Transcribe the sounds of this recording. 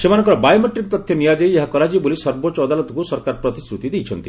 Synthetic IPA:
semanɔ̃ŋkɔɾɔbajomeʈɾik̚t̪ɔt̪ʰːjɔnijad͡ʒejeɦakɔɾad͡ʒibolisɔɾbot͡ʃɔːd̪alɔt̪ɔkusɔɾkaɾɔpɾɔt̪isɾut̪id̪ejt͡ʃʰɔnt̪i

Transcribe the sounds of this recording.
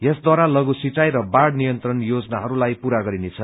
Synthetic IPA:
jesd̪waɾalʌɡusit͡sajɾʌbaɽnijʌnt̪rʌnjod͡zʌnaɦʌɾulajpuɾaɡʌɾinet͡sʰʌ

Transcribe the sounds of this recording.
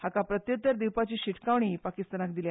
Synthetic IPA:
hakapɾət̪jət̪ːəɾd̪iwpat͡ɕiːɕiʈʰkaʋɳ̃iːpakist̪anakd̪ilja

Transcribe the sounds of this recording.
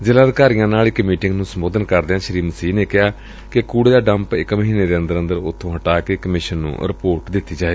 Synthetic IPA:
zɪlaːd̪kaːɾijãːnaːlɪkmiːʈɪŋɡnũːsəmboːd̪ənkəɾd̪eːãːʃəɾiːməsiːneːkɪɦaː | kɪkuːɽeːd̪aːɖəmpɪkːməɦĩːneːd̪eːənd̪əɾə̃nd̪əɾʊt̪ʰːõːɦəʈaːkeːkəmɪʃənːṵ̃ːɾɪpoːɾʈd̪ɪt̪ːiːd͡ʒaːeː

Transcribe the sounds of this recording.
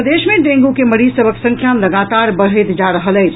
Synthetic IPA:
əd̪esmẽɖẽŋɡukeməɾizsəbʱəksə̃ŋkʰjaləɡat̪aɾbəɽ̤əjt̪d͡ʒaɾəɦələɪt͡ʃʰ

